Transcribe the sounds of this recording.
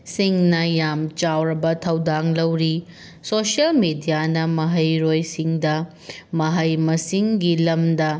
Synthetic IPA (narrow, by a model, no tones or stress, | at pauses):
siŋnɐjamt͡ʃawɾɐbɐtʰɐwdaŋlɐwɾi | sosɐlmidijanɐmɐɦɐjɾojsiŋdɐ | mɐɦɐjmɐsiŋɡilɐmdɐ